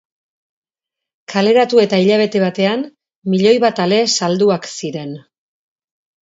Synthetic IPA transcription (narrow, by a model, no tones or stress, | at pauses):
kʰale̞ɾat̪ue̞t̪aiʎaβ̞e̞t̪e̞β̞at̪e̞an | miʎo̞jβat̪ale̞sald̪uaksiɾe̞n